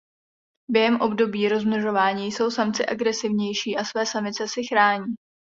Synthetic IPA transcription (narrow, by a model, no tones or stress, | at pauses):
bjɛɦɛmʔo̞bdo̞biːɾo̞zml̩ʒo̞vaːɲiːjso̞wsamt͡sɪʔaɡɾɛsɪvɲɛjʃiːʔasvɛːsamɪt͡sɛsɪxɾaːɲiː